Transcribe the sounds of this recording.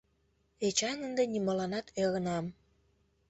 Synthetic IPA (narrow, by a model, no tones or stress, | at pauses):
et͡ɕɑnənd̪enimɑlɑnɑt̪eɣənɑm